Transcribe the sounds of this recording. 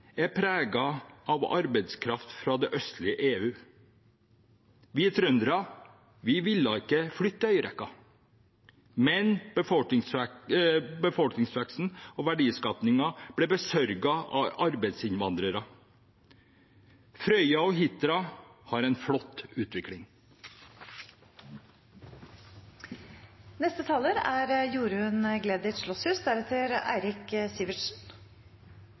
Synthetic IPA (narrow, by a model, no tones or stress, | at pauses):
æɾpʰɾæːɡɑʔɑʋɑ̰ɾbɛɪd̪skʰɾɑft̪fɾɑd̪ɛʔœst̪lɪəʔeːʉː | ʋɪːt̪ʰɾœnd̪ɾɑ | ʋɪʋɪlːɑɪkːəflʏt̪ːəœʏəɾɛ̰kːɑ | mɛnb̥əfɔlk̪ɪŋsæ | bəfɔlknɪŋsʋæksn̩ɔʋæɖiːskɑp̪nɪŋɑb̥ɽɛbəsœɾɡɑɑ̰ɑɾbæɪt̪sɪnʋɑnd̪ɾəɾɑ | fɾœʏɑɔɦɪt̪ɾɑhɑɾɛɪnflɔt̪ːʉːt̪ʰʋɪklɪŋ | nɛst̪ət̪ʰɑːləɾæɾjuːɾʉənəɡleːd̪ɪt̪ʂɭɔshʉːsd̪æɾɛt̪ʰːɪɾæ̰ɪɾɪkəsiːʋɪʂn̩